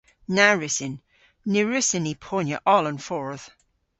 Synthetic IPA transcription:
naɹɪsɪnː | ɪɹɪsɪnipʰonjə̰ʔɔlə̃nfɔɹð̥

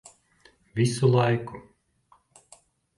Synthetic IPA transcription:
vʲisulˠɑjku

